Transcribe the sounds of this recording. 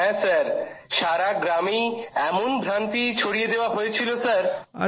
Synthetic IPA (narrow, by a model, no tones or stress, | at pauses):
ɦɛ̃saɾʃaɾaɡɾamiɛmonbʱɾant̪it͡ɕʰoɽijed̪eoaɦoet͡ɕʰilosaɾ